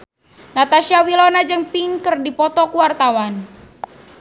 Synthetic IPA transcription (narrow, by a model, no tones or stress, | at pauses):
nat̪aʃiawilɔnad͡ʒɨŋpiŋkərdipɔt̪ɔkuwart̪awan